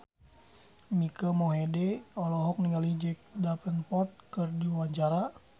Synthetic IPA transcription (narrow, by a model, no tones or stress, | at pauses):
mikəmɔɦɛdɛɔlɔɦɔk̚niŋalid͡ʒɛk̚dapənpɔt̪̚kərdiwaɲt͡ʃaɾa